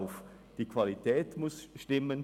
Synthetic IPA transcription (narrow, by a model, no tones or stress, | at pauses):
ʊf | d̥iːkʰv̥alitʰɛːtmʊsʃtɪmən